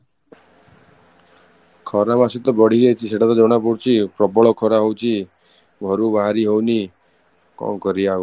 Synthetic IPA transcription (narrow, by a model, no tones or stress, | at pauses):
kʰɔɾamasit̪ɔbɔɽ̤iɡejt͡ʃʰiseʈʰat̪ɔd͡ʒɔwɽ̃apuɽt͡ʃʰipɾɔbɔɭɔkʰɔɾaɦowt͡ʃʰi | bʱɔɾubaɦaɾiɦowni | kɔ̰mkɔɾiau